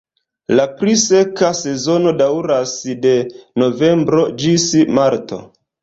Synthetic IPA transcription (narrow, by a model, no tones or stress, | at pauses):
lapɾise̞kase̞zo̞no̞dawɾasde̞no̞ve̞mbɾo̞d͡ʒismaɾto̞̰